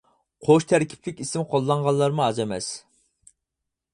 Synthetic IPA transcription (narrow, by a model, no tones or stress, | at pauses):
qʰoʃt̪ʰæɾkʲʰi̥plɪkʲisɪmqʰolˠːɑɴʁɑlˠːɑɾmuɑd͡ʒɛmɛ̰s